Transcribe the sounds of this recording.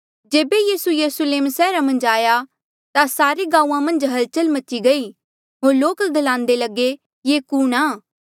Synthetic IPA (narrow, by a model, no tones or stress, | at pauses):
d͡ʒeːbejiːsujɐɾʊsleːmsɛːɾamɐ̃nd͡ʒaːja | t̪asaːɾeɡãːuːãmɐ̃nd͡ʒɦɐlt͡ʃəlmɐtːʃiɡɐiː | ɦoːɾloːkd̪əlãːnd̪eləɡe | jeːkuːnaː